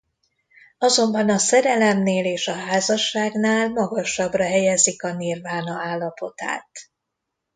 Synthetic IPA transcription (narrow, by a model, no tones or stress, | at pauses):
ɒzo̞mbɒnɒsɛɾɛlɛmneːleːʃɒɦaːzɒʃːaːɡnaːlmɒɡɒʃɒbrɒɦɛjɛzikɒnilvaːnɒaːlːɒpo̞t̪a̰ːt̪